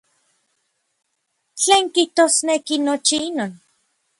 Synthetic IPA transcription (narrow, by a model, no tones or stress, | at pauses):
t͡ɬeːŋkiht̪oːsnekinot͡ʃiinoːn